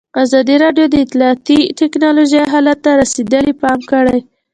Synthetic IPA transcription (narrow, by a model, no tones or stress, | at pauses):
azɑd̪iɾɑɖjod̪əɪt̪lɑːt̪iʈɪknɑloʒajɦɑlat̪ːaɾased̪əlipɑmkəɽaj